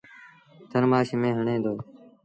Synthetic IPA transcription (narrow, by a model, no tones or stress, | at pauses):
t̪ʰəɾmaːʃmẽːɦəɳẽːd̪oː